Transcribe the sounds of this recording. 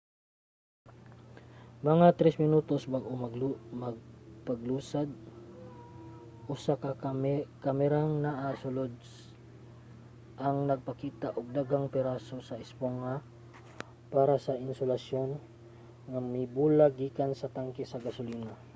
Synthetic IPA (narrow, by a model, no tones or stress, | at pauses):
mɐŋat̪ɾɛsmɪnuːt̪osbaɡʔomɐɡmɐɡ̚pɐɡluːsad̪̚ | ʔʊsakɐkɐmɛɾaŋnaʔasʊlod̪̚ | ʔɐŋnɐɡ̚pɐkiːt̪aʔoɡ̚d̪aɡaŋpɛɾasosɐɪspoŋa | paːɾasɐʔɪnsʊlɐsjo̞n | ŋamɪbuːlaɡiːkansɐt̪aŋkɪsɐɡɐsʊliːna